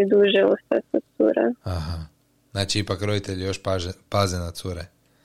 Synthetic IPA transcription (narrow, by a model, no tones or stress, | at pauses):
id̪uʒɛost̪a̰sot̪sṵɾɛ̰aɦa | znaːt͡ʃiipakɾod̪it̪eʎijoʃpaʒepazenat̪suɾe